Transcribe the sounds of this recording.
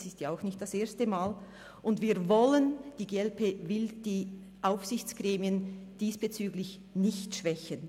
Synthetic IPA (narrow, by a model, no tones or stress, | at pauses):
sɪstjaaʊxnɪçtd̥aseːɐstəmaːl | ʔʊndviːɾvɔlənd̥iːɡeːɛlpʰeːvɪld̥iː | ʔaʊfsɪçt͡sɡ̥ʁeːmiənd̥iːsb̥et͡syːɡlɪç | nɪçtʃv̥ɛçən